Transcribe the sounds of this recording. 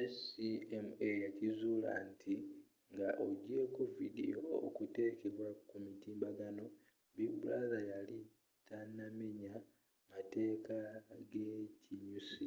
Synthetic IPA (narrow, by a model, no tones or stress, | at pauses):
esiemejacizuːla̰ntʰi | ŋɡaʔoɟe̞kovidḭjookute̞ke̞βwakumitiːmbaɡano̞ | βibulazajali | tʰanameɲa | mate̞ːkaɡeciɲusi